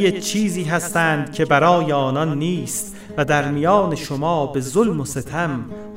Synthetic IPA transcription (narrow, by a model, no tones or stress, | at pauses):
et͡ʃʰiːziːɦæst̪æːnd̪cʰe̞bæɾɒːjeɒːnɒnːiːst̪ | væd̪æɾmijɒːne̞ʃomɒːbe̞zolmoset̪ʰæm